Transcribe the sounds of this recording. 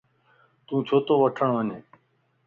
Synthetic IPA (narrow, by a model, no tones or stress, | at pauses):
t̪ũːt͡ʃʰoːt̪õːʋəʈʰəɳʋəneː